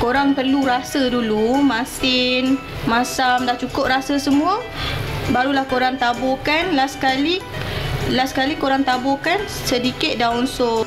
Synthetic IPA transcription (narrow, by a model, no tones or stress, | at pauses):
koɾaŋpərluɾasədulumãsɪn | masamdaht͡ʃukʊp̚rasəsəmũə | baɾulahkoɾaŋt̪abɔkanlaskali | laskalikoɾaŋt̪abʊkan | sədikɪt̪̚daunsʊ